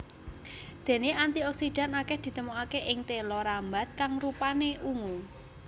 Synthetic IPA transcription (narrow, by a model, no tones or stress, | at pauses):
d̪̥e̤neant̪iɔksid̥a̤nakɛhd̪̥i̤t̪əmuakeʔɪŋt̪elɔɾamba̤t̪̚kaŋrupaneʔuŋu